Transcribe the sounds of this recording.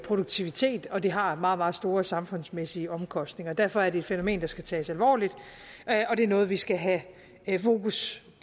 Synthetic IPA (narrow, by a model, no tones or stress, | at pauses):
pʰʁo̝ɾ̥uɡ̥̚t͡sʰiʋit͡sʰe̝̰ːd̥ɒ̽d̥e̝ɦɑ̈mɑ̈ːð̩ˠmɑ̈ːð̞̩ˠsd̥o̝ːɐsɑ̈mfɔ̽n̰smesiəɒ̽mkʰɒ̽sd̥ne̝ŋɐd̥æɐfɒ̽æɐɾe̝eːd̥feno̝me̝̰ːnd̥ɑ̈sɡ̥æt͡sʰɛ̰ːsælʋɒ̰ːlid̥ | ɒ̽ɾ̥e̝æɐnɔ̽ːð̞̩ˠʋisɡ̥æɦæ | fo̝ːkʰus